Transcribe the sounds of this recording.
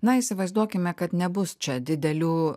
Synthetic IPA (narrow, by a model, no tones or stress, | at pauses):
nɐisʲɪʋɐɪzd̪uɔkʲɪmʲɛkɐt̪nʲɛbʊst͡ʃʲɛd̪ʲɪd̪ʲɛlʲuː